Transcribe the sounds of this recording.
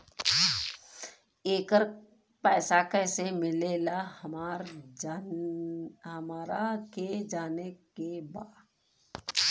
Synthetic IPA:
eːkəɾ | pɛːsakɛːsemɪleːlahmaɾ | ɦəmaːɾaked͡ʒaːnekebaːd

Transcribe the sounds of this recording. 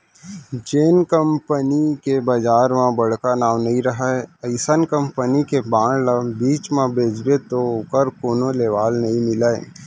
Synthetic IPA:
d͡ʒeːnkəmpənikebad͡ʒaːɾmãbɐɽ̤kanaːʋnɐɦĩɾɐɦaeəɪsənkəmpənikebãːɳlabiːt͡ʃmãbeːd͡ʒbet̪okəɾkoːnoleːʋaːlnɐɦĩmɪlaːḛ

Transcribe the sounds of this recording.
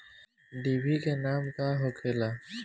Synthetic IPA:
ɖiːbikenaːmkaɦoːkʰeːlaː

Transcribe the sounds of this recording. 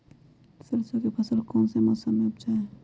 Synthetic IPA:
səɾsokepʰəsəlkɔːnsemɔːsəmːeb̚t͡ʃaɦe

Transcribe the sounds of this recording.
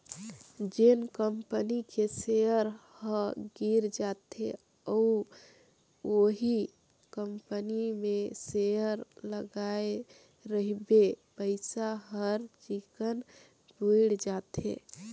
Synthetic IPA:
d͡ʒenkəmpənikesejəɾ | hə̃ɡiɾd͡ʒat̪e | ɔu | oɦi | kəmpənimẽsejəɾləɡae | ɾəɦibepəɪsaɦəɾt͡ʃikən | bʱuɪɽd͡ʒat̪ḛ

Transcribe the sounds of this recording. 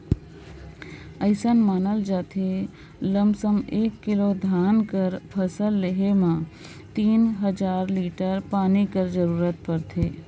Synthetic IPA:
əɪsənmaːnəld͡ʒaːt̪ʰe | ləmsəmeːkːɪlod̪ʱaːnkəɾpʰəsəlːeɦemã | t̪iːnɦəd͡ʒaːɾliːʈəɾpaːnikəɾd͡ʒəɾuːɾət̪̚pəɾt̪ʰeː

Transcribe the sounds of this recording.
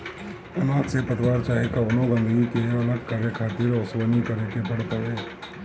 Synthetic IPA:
ɐnãːksepət̪ɪʋaːɾt͡ʃaːɦekaʋnõɡə̃nd̪əɡikeɐləɡkaːɾjəkʰaːt̪iːɾɔːswənikɐɾekebɐɽt̪əɦeː

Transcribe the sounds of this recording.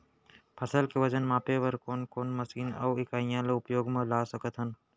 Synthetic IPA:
pʰɐsəlkeʋɐd͡ʒənmaːpeʋəɾkoːnkoːnmɐsiːnɐ̰wɪkaːĩjãːleʊpjoːɡmẽlaːsəkət̪ɦən

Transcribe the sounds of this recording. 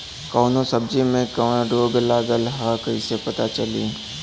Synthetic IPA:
kɔːnõsɐb̚d͡ʒimẽkəːɖoːɡlaːɡəlɦakɐisepɐt̪at͡ʃəlḭː

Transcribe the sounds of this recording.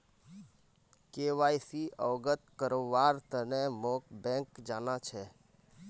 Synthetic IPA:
keʋaːjsiɔːɡət̪kəɾoʋaɾt̪ənemoːkbɛ̃ŋkd͡ʒaːnat͡ʃʰe

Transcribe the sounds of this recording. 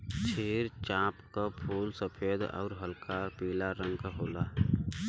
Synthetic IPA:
t͡ʃʰeːɾt͡ʃãːpkapʰuːlsəpʰeːd̪ɔ̰ːɾɦəlkʰapiːlaɾə̃ŋɡkaɦoːlaː

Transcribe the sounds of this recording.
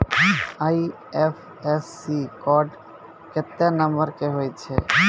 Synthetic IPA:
ai | efʰ | esːikɔːɖ | ket̪ːenə̃mbəɾkeɦoːjt͡ʃʰe

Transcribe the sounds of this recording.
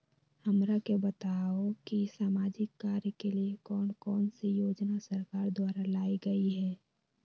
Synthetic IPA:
həmɾakebət̪aokisaːmaːd͡ʒɪkːaːɾjəkeliekɔːnkɔːnsejoːd͡ʒnasəɾkaːɾd̪waːɾalaːiɡəiɦɛː

